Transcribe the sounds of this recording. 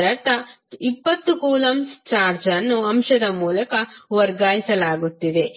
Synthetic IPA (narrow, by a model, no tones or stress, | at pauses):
ɾɐɾt̪ɐ | ipːɐt̪ːukuːlɐmst͡ʃaːɾd͡ʒɐnːuɐmʃɐd̪ɐmuːlɐkɐʋɐɾɡaːjisɐlaːɡut̪ːid̪e̞